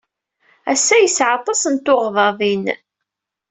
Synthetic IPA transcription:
æsːæjəsʕɑt̪ˤːɑsənt̪oʁðˤɑðˤin

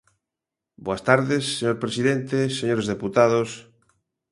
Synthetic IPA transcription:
boast̪aɾðesːeɲoɾpɾesiðent̪eseɲoɾezðeput̪aðos

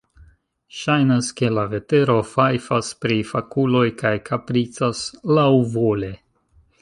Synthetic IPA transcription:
ʃajnaske̞lave̞te̞ɾo̞fajfaspɾifakulo̞jkajkapɾit͡saslawvo̞le̞

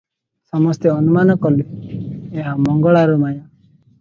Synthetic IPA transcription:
sɔmɔst̪eɔnumanɔkɔlieɦamɔŋɡɔɭaɾumajɔ̃

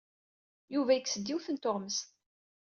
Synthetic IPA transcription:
juvæjəksəd̪ːiwθənt̪oʁməst̪

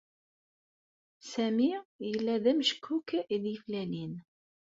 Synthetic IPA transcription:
sæmijəlːæðæmʃə̥kʰːukːiðjəflænin

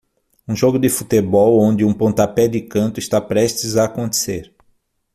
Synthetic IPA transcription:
ũʒoɡʊd̪ɪfut̪ebɔwõnd̪ɪũpõnt̪apɛd̪ɪkɐ̃nt̪ʊɪst̪apɾɛʃt̪ɪzaːkõnt̪e̥seɾ

